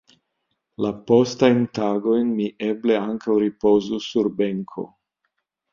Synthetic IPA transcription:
lapo̞stajntaɡo̞jnmiʔe̞ble̞aŋkawɾipo̞zusuɾbe̞ŋkʰo̞̰

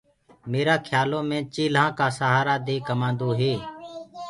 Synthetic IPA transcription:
meːɾaːkʰjaːlõːmẽːt͡ʃiːlãːkaːsəːɦaːɾaːd̪eːkəmãːnd̪oːɦeː

